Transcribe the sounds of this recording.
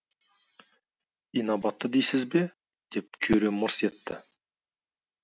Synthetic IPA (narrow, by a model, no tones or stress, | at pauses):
ijnabɑt̪ːəd̪ejsɪzbe̞ | d̪̥e̞p̚kʲʰɵɾe̞mʊɾse̞t̪ːɪ